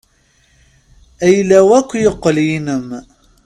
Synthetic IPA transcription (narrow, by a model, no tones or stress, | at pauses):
æjlæwækʷːjəqːəljinəm